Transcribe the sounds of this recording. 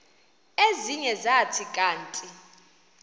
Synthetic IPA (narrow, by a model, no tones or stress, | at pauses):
eziɲɛzatʰikʼaːntʼi